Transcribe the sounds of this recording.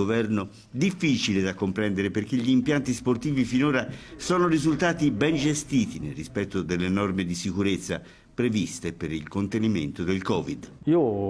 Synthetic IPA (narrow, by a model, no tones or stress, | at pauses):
ovɛrno | d̪ifːiːt͡ʃiled̪akːompɾɛnd̪eɾeperk̟eʎːiːmpjant̪isport̪iːvifinoːɾasɔːnoɾizult̪aːt̪ibɛnd͡ʒest̪iːt̪inerːispɛt̪ːod̪elːenɔrmed̪isikuɾet̪sːa̰ | pɾevist̪epeɾilkont̪eniment̪od̪elkɔːvid̪iːo